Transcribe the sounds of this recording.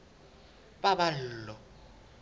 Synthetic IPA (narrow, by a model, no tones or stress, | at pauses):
pabal̩ːlɔ